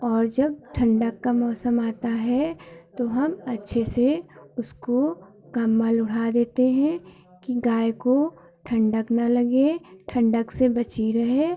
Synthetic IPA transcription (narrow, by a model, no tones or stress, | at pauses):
ɔːɾd͡ʒɐb̚ʈʰɐ̃ɳɖəkːamɔːsəmaːt̪aɦɛt̪oɦɐmɐtːʃʰeseʊsko | kəmːəlʊɽ̤ad̪eːt̪eɦɛ̃ | kiɡaːjko | ʈʰə̃ɳɖəknɐlɐɡeʈʰɐ̃ɳɖəksebɐt͡ʃiɾɐɦe